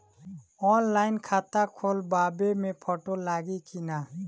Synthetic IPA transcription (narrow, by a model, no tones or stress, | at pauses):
ɔːnlaːɪnkʰaːt̪akʰoːlbaːbemẽpʰoːʈolaːɡikinaː